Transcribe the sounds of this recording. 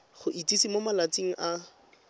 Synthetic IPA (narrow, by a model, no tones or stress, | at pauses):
χʊʔit͡sisimomalat͡siŋ̩ʔa